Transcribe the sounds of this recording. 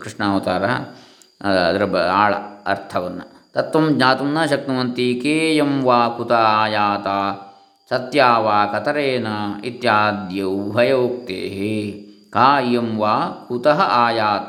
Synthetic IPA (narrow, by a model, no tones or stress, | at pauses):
kɾiʂɳaːʋɐt̪aːɾa | ɐɐd̪ɐɾɐbɐaːɭɐ̰ɐ̰ɾt̪ʰɐʋɐnːɐ̰t̪ɐt̪ʋɐmd͡ʒɲaːt̪umnɐʃɐk̚t̪ɐmɐnt̪ikeːjɐmʋaːkut̪ɐɦaːjaːt̪aː | sɐt̪jaːʋaːkɐt̪ɐɾeːnɐit̪jaːd̪jɐubʱɐjoːk̚t̪ḛːɦekaːjɐmʋaːkut̪ɐɦɐʔaːjaːt̪ɐ